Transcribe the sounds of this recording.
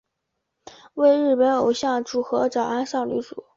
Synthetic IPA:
we˥˧ɪɻɻ̩˥˩pə˧˥no˨˩ʊɕjɑ˥˩ŋʈ͡ʂu˨˩xɤ˧˥ʈ͡ʂɑ˨˩ʊa˥nʂɑ˥˩ŋly̰˧˥ʈ͡ʂu˨˩˦

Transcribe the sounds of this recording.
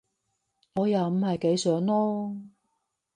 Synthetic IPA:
ŋɔː˨˧jaː˨m̩˨˩hɐ˨jke˨˥jsœː˨˥ŋlɔː˥

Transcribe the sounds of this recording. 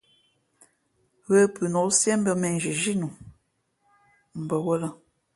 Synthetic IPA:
ɣə˦pʉ˨nɔ˨˦lsjɛ˦m̩˦bə˦˨mɛ˨n˨d͡ʒi˨ʒi˦nu˨ | m̩˨bə˨wə˦la˦

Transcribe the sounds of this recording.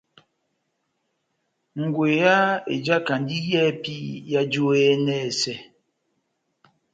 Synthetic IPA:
ŋ̩˨ɡwe˨ja˦ḛ˨d͡ʒa˦ka˨n˦di˦jɛː˦pi˦ja˦d͡ʒo˦ɛ˦nɛ˦˨sɛ˨

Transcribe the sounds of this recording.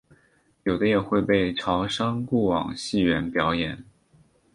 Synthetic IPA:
jo˨˩ʊd̪ə˦jɛ˨˩xwe˥˧ɪpe˥˩ɪʈ͡ʂʰɑ˧˥ʊʂɑ˥ŋku˥˩wɑ̰˨˩ŋɕi˥˩ɥɛ˧˥npjɑ˧˥ʊjɛ˨˩˦n

